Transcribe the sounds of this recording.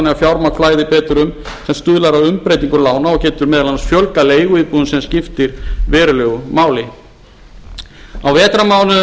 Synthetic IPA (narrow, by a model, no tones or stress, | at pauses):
nɛɣafjawɾmakʰflaːjðɪpɛːt̪ʏɾʏm | sɛmst̪ʏðlaɾawʏmpɾejt̪iŋkʏlaːwnaɔɣcɛːt̪ʏɾmɛːðalansfjœlkaleːjɣʏiːðpuðʏnsɛmscɪft̪ɪɾ̥vɛːɾʏlœːɣʏmaːwlɪ | awvɛːt̪ɾamaːwnʏ